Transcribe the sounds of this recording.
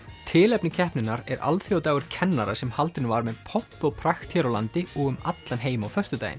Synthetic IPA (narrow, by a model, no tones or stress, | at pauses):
t̪ʰɪːlɛpnɪcʰɛhpnɪnːaɾɛɾa̰lθiawt̪aːɣʏɾ̥cʰɛnːaɾasɛmhalt̪ɪnvaɾmɛðpʰɔhpːɔɣpʰɾaxt̪ʰjɛɾɔla̰nt̪ɪɔɣʏmat̪lanɦeːjmawfœ̥st̪ʏt̪a̰ːjɪ̰n